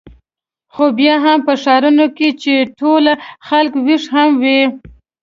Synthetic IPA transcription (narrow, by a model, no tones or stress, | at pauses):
xobjɑɦampəʃɑɾunoket͡ʃeʈolaxalkwiʂhamwi